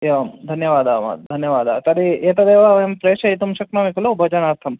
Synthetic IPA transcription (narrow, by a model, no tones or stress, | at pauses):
jeʋɐmd̪ʱɐnjɐʋaːd̪a̰ːma̰d̪ʱɐnjɐʋaːd̪a̰ːt̪ɐɾieːt̪ɐd̪eːʋaʋempɾeːʃɐit̪umʃɐknaːmikʰɐlobʱɐd͡ʒɐnaːɾt̪ʰɐm